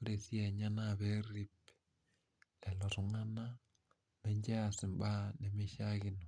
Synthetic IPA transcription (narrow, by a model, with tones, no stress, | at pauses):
u˦ɾe˨θi˦e˨ɲa˦naβe˦ɾi˦p | lɛ˨lɔ˨ɾu˨ŋa˦na˦ | meɲd͡ʒe˦asi˨mba˦ne˨mi˦ʃaɣi˦no˨